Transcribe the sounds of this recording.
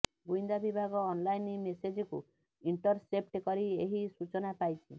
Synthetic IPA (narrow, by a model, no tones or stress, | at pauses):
ɡujnd̪abibʱaɡɔːnlajnimesed͡ʒɔkṵ | iɳʈɔɾsep̚ʈkɔɾieɦisut͡ʃɔnapajt͡ʃʰḭ